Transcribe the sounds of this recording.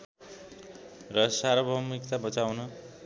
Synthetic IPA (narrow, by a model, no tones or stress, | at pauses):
rʌsaɾʌbʱʌmikt̪abʌt͡sawnʌ